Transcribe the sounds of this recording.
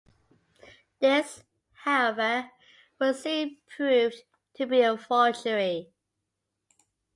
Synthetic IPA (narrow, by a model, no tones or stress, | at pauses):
ðɪs | haʊɛvə | wʌsipʰɹ̥ʉv | tʰɨbiəfɔt͡ʃəɹi